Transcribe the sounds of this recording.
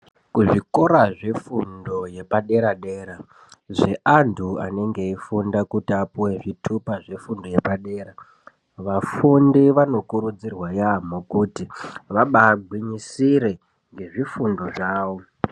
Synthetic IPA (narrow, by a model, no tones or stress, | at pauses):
kuʐiko̞ɾaʐe̞fundo̞je̞paɗe̞ɾaɗe̞ːɾa | ʐe̞ʔandʰua̰ne̞ŋɡe̞ifundakutiapuwe̞ʐitʰupaʐe̞fundo̞je̞paɗe̞ːɾa | ʋafundiʋano̞kuɾud͡zirwajamokutiʋaɓaːɡʱwiɲisiɾe̞ | ŋɡe̞ʐifundo̞ʐaːʋo̞